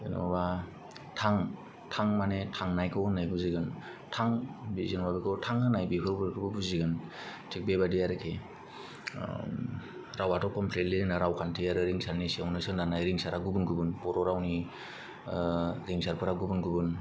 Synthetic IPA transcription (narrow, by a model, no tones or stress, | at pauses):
ḛnɔ̰ba | tʰaŋ | tʰaŋmanetʰaŋnajkʰɯwɯnajbuziɡɯn | tʰaŋbizɯnwabikʰɯtʰaŋɯnajbikʰɯɾbɯkʰɯbɯbuziɡɯn | tʰik̚bebadijaɾɯkʰe | ɾawatʰɔkɔmpʰletlinaɾawkʰantʰijaɾɯɾiŋsaɾnisiawnɯsɯnanajɾiŋsaɾaɡubɯnɡubɯnpɔɾɔɾawni | ɾiŋsaɾpʰɯɾaɡubɯnɡubɯn